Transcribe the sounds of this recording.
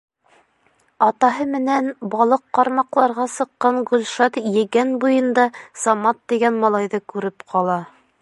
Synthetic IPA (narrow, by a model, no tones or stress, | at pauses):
ɑt̪ɑɦɤmɘ̆nænbɑlˠɤqːɑɾmɑqlˠɑɾʁɑsɤ̆qːɑɴɡɵlʲʃɑt̪jɘ̆ɡænbujɤ̆nd̪ɑsɑmɑt̪ːiɡænmɑlˠɑjðɤkʉɾɘpqʰɑlˠɑ